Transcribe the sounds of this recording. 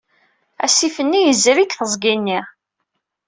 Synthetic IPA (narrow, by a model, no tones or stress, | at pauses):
æ̰sifənːijəzɾikθəzˤɡinːi